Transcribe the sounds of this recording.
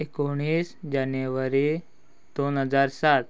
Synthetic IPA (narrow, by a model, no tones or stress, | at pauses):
ekoɽ̃iːsd͡ʑanjeʋəɾi | d̪̥onɦəd͡zaɾsat̪